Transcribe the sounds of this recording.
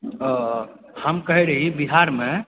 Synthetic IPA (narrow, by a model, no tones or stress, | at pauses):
həmkəɦiɾəɦibiɦaɾme